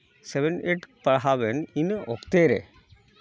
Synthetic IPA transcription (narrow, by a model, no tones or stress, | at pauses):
seʋeneʈpɐɦaʋeninɨokt̪eːɾḛ